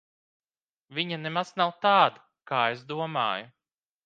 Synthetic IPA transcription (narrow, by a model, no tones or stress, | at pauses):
vʲiɲanemaz̥nawt̪aːd̪ | kaːezd̪uɔma̰ːju